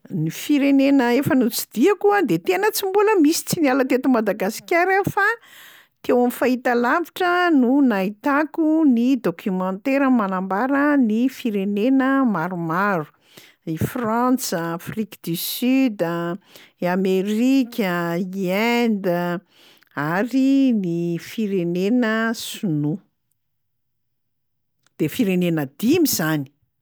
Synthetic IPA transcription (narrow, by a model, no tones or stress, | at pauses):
nifiɾenenəefənut͡sid̪iəkuəd̪et̪enət͡simbuləmisi̥t͡sinalət̪et̪umad̪aɡasi̥kʲaɾefa | t̪ewamifait̪alaviʈ͡ʂənunait̪akunid̪okʰʲymãnt̪eɾəmanambaɾənifiɾenenəmaɾumaɾu̥ | ifrant͡səafrikd̪ysyd̪ə | ameɾikʲəiɛnd̪ə | aɾinifiɾenenəsunu | d̪̥efiɾenenəd̪̥imizani̥